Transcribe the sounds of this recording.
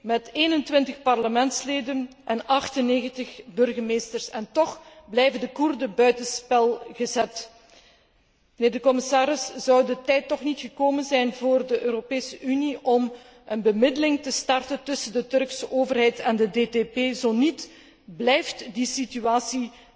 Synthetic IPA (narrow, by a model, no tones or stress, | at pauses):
mɛteːnəntʋɪntəxpɑrləmɛntsleːdənʔɛnɑxtəneːɣəntəxbɵrɣəmeːstərsɛntɔχblɛjvədəkurdəbœɥtəspɛlˠɣəzɛt | məneːrdəkɔmɪsaːɾɪsz̥ɑwdətɛjtːɔxnitxəkoːmənzɛjnvoːrdəʔøːɾopeːsəʔyniʔɔm | ənbəmɪdəlɪŋtəstɑrtəntɵsəndətɵrksəʔoːvərɦɛjtɛndədetepeːzoːnit | blɛjftdisityaːsi